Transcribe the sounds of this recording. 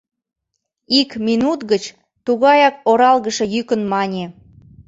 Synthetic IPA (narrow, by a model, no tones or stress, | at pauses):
ikminut̪ɣət͡ɕ | t̪uɣɑjɑkoɾɑlɣəʃe̽jykənmɑnʲe